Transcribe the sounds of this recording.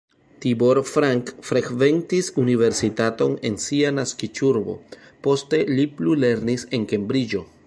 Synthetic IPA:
tibo̞ɾfɾaŋkfɾekve̞ntisunive̞ɾsitato̞ne̞̰nsianaskit͡ʃuɾbo̞̰po̞ste̞liplule̞ɾnise̞nke̞mbɾid͡ʒo̞

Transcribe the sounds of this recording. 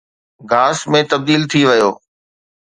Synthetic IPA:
ɡaːsmẽt̪ɐb̚d̪iːlt̪ʰiʋɪjoː

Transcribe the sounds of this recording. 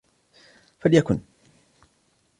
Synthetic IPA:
faljakʊn

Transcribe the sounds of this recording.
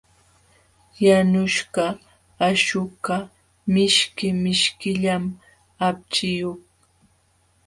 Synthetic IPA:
janʊʃɢɑː | ʃʊka | mɪʃkɪmɪʃkɪʎam | ap̚t͡ʃɪjoχ

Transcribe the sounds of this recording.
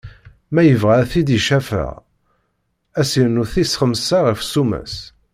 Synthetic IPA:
mæjəvʁæθid̪iʃæfə̰ʁ | æsinuθisχəmsaʁifsumæ̰s

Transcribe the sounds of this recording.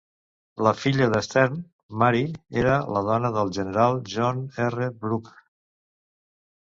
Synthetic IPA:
ləfiʎəðəst̪ɛɾm | maɾieɾələðɔnəðəlˠʒənəɾalˠʒɔnɛrəbɾuk

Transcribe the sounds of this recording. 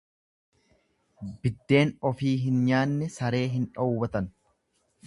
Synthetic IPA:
bɪd̪ːe̞ːnɔfiːɦɪnɲaːnːɛsɐɾe̞ːɦɪnᶑɐwːbɐt̪ɐn

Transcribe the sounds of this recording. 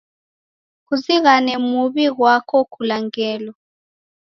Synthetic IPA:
kuziɣanɛmuβiɣwakʰɔkulaŋɡɛːlɔ

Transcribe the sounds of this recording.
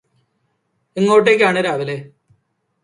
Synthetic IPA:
eŋːo̞ːʈ̬ːek̬ʲːaːɳɨɾaːʋileː

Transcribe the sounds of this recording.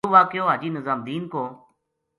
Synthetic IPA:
uːʋaːkjoːɦaːd͡ʒiːnəzaːmd̪iːnkõː

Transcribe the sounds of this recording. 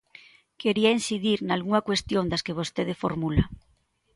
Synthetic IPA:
keɾiainsiðiɾnalɣuŋakwest̪jond̪askeβ̞ost̪eðefoɾmula

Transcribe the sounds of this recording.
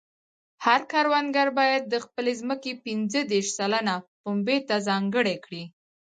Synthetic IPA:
haɾkɑɾwanɡaɾbɑjad̪̚ːəxpəlezməkepinzəd̪eɾʃsalanapombet̪azɑŋɡəɽekɽi

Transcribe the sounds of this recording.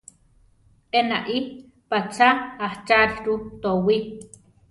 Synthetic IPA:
enaʔi | pat͡ʃaaht͡ʃaɬt̪ut̪owi

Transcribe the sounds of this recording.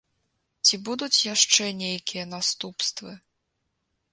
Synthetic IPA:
t͡sʲibud̪ut͡sʲjaʂt͡ʂɛnʲejkʲijɐnast̪upst̪vɨ

